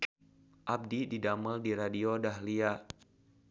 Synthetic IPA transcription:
ʔab̚dididaməldiɾadiodaɦlia

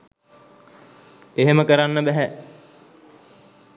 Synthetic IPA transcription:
eɦeməkəɾanːəbɛɦɛ

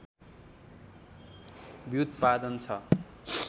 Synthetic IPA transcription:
bjud̪pad̪ʌnt͡sʰʌ

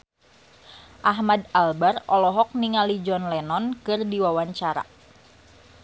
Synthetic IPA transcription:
ʔaɦmadalbarɔlɔɦɔk̚niŋalid͡ʒɔnlɛnɔnkɨrdiwawaɲt͡ʃaɾa̰

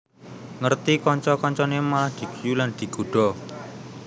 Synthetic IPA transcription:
ŋərt̪ikɔɲt͡ʃɔkɔɲt͡ʃɔnemalahd̪̥i̤ɡ̥ijuland̪̥i̤ɡ̥uɖ̥ɔ

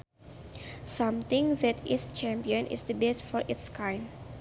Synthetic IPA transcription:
sãmt̪ɪ̃ŋðɛtʰɪst͡ʃɛ̃mpiə̃nʔɪ̰sd̪əbɛsfɔɹʔitskãjn

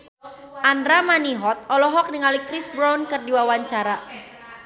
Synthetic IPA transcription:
ʔandɾamaniɦɔt̪̚ɔlɔɦɔk̚niŋalikɾisbɾawnkɨrdiwawaɲt͡ʃaɾa

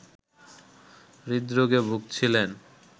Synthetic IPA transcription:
ɾid̪ɾoɡebʱuɡ̚t͡ɕʰilen

